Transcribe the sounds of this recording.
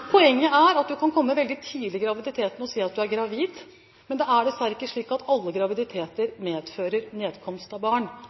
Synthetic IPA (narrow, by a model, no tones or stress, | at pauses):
pʰɔɛŋːəæɾɑt̪̚d̪ʉkʰɑnkʰɔmːəʋɛld̪ɪt̪ʰiːlɪɡɾɑʋɪd̪ɪt̪ʰeːt̪n̩ɔsiːɑt̪̚d̪ʉæɾɡɾɑʋiːd̪ | mɛnd̪ɛæɖɛsæɾɪkːəʂɭiːkɑt̪ʰɑlːəɡɾɑʋɪd̪ɪt̪ʰeːt̪əɾmeːd̪føːɾəɾneːd̪kʰɔmst̪ɑbɑːɳ